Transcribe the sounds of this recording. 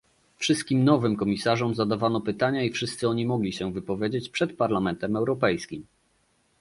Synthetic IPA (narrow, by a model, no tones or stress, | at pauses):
fʂɘst̪̚kʲimnɔvɘmkɔmʲisaʐɔmzad̪avanɔpɘt̪aɲaifʂɘst̪sɘɔɲimɔɡlʲiɕɛvɘpɔvʲjed͡ʑet͡ɕpʂɛt̪paɾlamɛnt̪ɛmɛwɾɔpɛjskʲim